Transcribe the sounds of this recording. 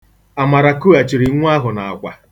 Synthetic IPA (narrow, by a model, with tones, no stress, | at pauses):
a˨ma˨ɾa˨ku˦a˨t͡ʃi˨ɾi˨˦ŋʷ˦a˦ɦʊ˨na˨a̰˨kʷa˨